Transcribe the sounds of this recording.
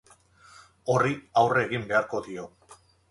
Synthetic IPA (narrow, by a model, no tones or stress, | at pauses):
o̞riawre̞ːɣimbe̞aɾko̞ðio̞